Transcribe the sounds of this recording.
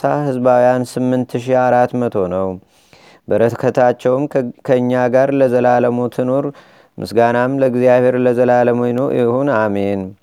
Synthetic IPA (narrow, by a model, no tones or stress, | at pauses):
ahɨzbawijansɨmːɨnt̪ʰʃ̬iaɾat̪mət̪ʰo̞nəw | bəɾət̪kʰət̪ʰat͡ʃːɛwmkʰəɨɲːaɡaɾləzəlaləmot̪ʰɨnoɾ | mʔɨ̰sɡanamləɡzijaβhe̞ɾləzəlaləmojnojɪhuname̞n